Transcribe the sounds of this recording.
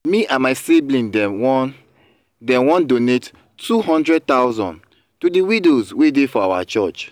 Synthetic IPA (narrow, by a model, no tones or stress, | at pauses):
miʔãmaɪsiblĩndɛwɔn | dɛ̃wɔ̃ndonet | tʰuɦɔ̃ndɹɛd̚tawzɔ̰̃n | tudiwidozwedefɔawat͡ʃɔt͡ʃ